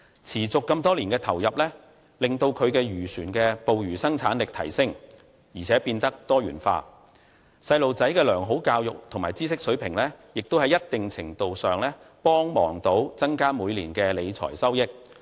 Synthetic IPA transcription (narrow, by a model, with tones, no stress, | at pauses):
t͡sʰiː˨˩t͡sʊ˨kːɐ˧mt̪ɔː˥liː˨˩nkɛː˧t̪ʰɐ˨˩wjɐ˨p̚lɛː˥ | lɪ˨ŋt̪o˧wkʰɵ˨˧ɥkɛː˧ɥyː˨˩syː˨˩nkɛː˧po˨wjyː˨˩sɐ˥ŋt͡sʰaː˨˥nlɪ˨k̚t̪ʰɐ˨˩jsɪ˥ŋ | jiː˨˩t͡sʰɛː˨˥piː˧nt̪ɐ˥k̚t̪ɔː˥ɥyː˨˩nfa̰ː˧ | sɐ˧jlo˨wt͡sɐ˨˥jkɛː˧lœː˨˩ŋɦo˨˥wkaː˧wjʊ̰˨k̚t̪ʰʊ˨˩maː˨jt͡siː˥sɪ˥k̚sɵ˨˥pʰɪ˨˩ŋlɛː˥jɪ˨k̚t̪o˥whɐ˨˧jːɐ˥t̚t̪ɪ˨ŋt͡sʰɪ˨˩ŋt̪o˨wsœː˨ŋlɛː˥pɔː˥ŋmɔ̰ː˨˩ŋt̪o˨˥wt͡sɐ˥ŋkaː˥muː˨˧jliː˨˩nkɛː˧le˨˧jt͡sʰɔ̰ː˨˩jsɐ˥wjɪ˥k̚